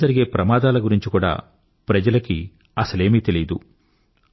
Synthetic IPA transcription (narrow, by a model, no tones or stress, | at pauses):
ɐɾiɡe̞ːpɾɐmaːd̪aːlɐɡuɾiɲt͡ʃikuːɽa̰ː | pɾɐd͡ʒɐlɐki | ɐsɐle̞ːmiːt̪e̞lid̪u